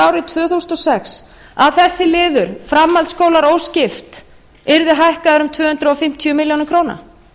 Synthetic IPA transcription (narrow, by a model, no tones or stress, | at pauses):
awɾɪt̪ʰvœːθusnɔsɛks | aðθɛsːɪlɪːðʏɾ̥fɾamːalt̪skoːwlaɾoːwscɪft̪ | ɪɾðɪɦajhkaðʏɾʏmt̪ʰvœːhʏnt̪ɾʏɔfɪm̥t̪ʰjœmɪljownɪkʰɾoːwna̰